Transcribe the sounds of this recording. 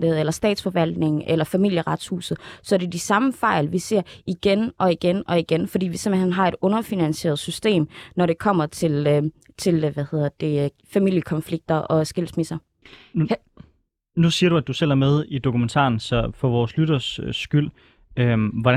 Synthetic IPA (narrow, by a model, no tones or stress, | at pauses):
d̥ð̩ˠelɐsd̥ɛ̰ːd̥sfɒ̽ʋæl̰d̥ne̝ŋ̩ʔelɐfæmil̰jəʁɑ̈d̥shṵːsð̩ˠsɒ̽ɐdɾed̥isɑ̈məfɑ̈ɪlʋise̝ɐ̰iɡ̥enʔɒ̽iɡ̥enʔɒ̽iɡ̥enfɒ̽d̥ḭːʋise̝mn̩hen̰ɦɑ̈e̝ɾ̥ɔ̽nɐfinænse̝̰ːɐð̞̩ˠsysd̥e̝̰ːmnɒɾ̥e̝kʰɒ̽m̰ɐt͡sʰe̝l | t͡sʰe̝lʋæhe̝ð̰ˠɐd̥e̝ | fæmil̰jəkʰɒ̽nfliɡ̥̚d̥ɐʔɒ̽sɡ̥el̰smisɐ | nusiːɐɾuæd̥usel̰æɐmeð̞ˠid̥o̝kʰument͡sʰɑ̰̈ːn̩sɒ̽fɒ̽ʋɒːslyɾɐssɡ̥yl̰ | ømʋɒɾ